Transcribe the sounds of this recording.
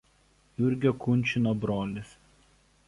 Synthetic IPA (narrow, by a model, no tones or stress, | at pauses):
jʊɾʲɡʲoːkʊnʲt͡ʃʲɪnobɾoːlʲɪs